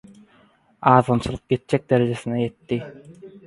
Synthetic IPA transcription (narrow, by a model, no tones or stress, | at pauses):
ɑːðɑnt͡ʃʰɯlˠɯq̚ɡet̪̚d͡ʒɛk̚d̪eɾed͡ʒesinɛjet̪ːi